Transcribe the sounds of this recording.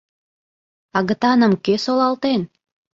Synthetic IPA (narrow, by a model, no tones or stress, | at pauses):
ɑɣə̆t̪ɑnə̆mkøsolɑlt̪en